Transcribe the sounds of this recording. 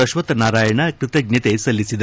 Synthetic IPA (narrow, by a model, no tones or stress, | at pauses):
ɐʃʋɐt̪naɾaːjɐɳakɾit̪ɐɡɲɐt̪esɐlːisid̪